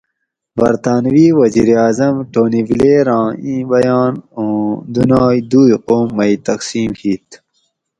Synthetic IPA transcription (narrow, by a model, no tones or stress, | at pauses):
bɐɾt̪aːnwiːwɐziɾjaːzɐmʈoːnibileːɾɑ̃ːĩbɐjɑːnõːd̪unaːjd̪uːjqoːmːɐjt̪ɐqsiːmhiːt̪